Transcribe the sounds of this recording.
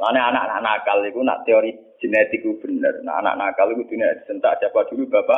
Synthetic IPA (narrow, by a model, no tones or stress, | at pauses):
laneana̰ʔna̰ʔnakalikuna̰ʔt̪eoɾi̥ | d͡ʒ̥e̤net̪ɪkːub̥ə̤nə̰rna̰ʔa̰na̰ʔnakalikud̪̥unia̰d̥̪i̤̥sənt̪a̰ʔsjapad̪̥ulub̥apaʔ